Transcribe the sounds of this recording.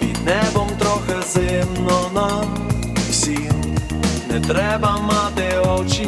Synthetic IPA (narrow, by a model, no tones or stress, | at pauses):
inɛbɔmt̪ɾɔxɛzɛmnɔna | sinnɛt̪ɾɛbamːad̪ɛɔt͡ʃi